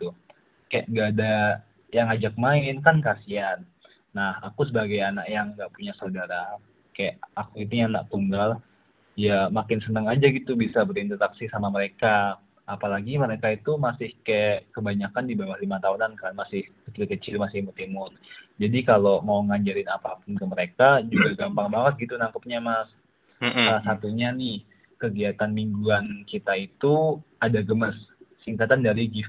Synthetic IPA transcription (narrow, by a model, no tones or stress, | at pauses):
t̪u | kaja̰ʔŋɡaːda | jaŋad͡ʒak̚maɪnkankasianː | aha̰kusəbaɡajanaʔjaŋɡaʔpuɲasaudaɾa | kajaʔakuinijana̰ʔt̪uŋɡal | jamakɪnsənəŋad͡ʒaɡit̪ubisabəɾint̪əɾaksisamaməɾeka | apalaɡiməɾekait̪umasɪhkajakəbaɲakandibawahlimat̪aunankamasɪhkət̪ɾikət͡ʃɪlmasɪhmut̪imʊrd͡ʒadikalomauŋaɲd͡ʒaɾɪnapapʊnkəməɾekad͡ʒuɡaɡampaŋbaŋət̪̚ɡit̪unaŋkəp̚ɲamas | salahsat̪uɲanɪh | kəɡiat̪anmiŋɡuankit̪ait̪u | adaɡəməssiŋkat̪andaɾiɡif